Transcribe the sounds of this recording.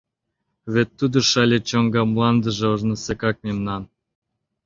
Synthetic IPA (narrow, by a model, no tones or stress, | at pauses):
βʲet̪ːud̪oʃɑlʲet͡ɕoŋɡɑmlˠɑnd̪ə̆ʒeoʒnə̆sekɑk̚mʲemnɑn